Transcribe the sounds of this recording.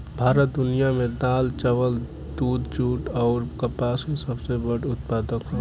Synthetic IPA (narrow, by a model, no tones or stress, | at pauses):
bʱaːɾət̪̚d̪ʊnijamẽd̪aːlt͡ʃəʋəl | d̪ud̪d͡ʒuːʈɔːɾkəpaskesəbsebəɽʊt̪̚paːd̪əkɦo